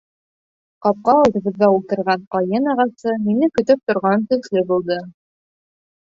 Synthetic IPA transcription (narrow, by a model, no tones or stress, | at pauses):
qɑp̚qɑɒlˠd̪ɤ̆βɤ̆ðɡæulˠt̪ɤ̆ɾʁɑɴqɒjɤnɑʁɑsɤminɘkɵ̆t̪ɵp̚t̪ŏɾʁɑnt̪ɵ̆θlɘbulˠd̪ɤ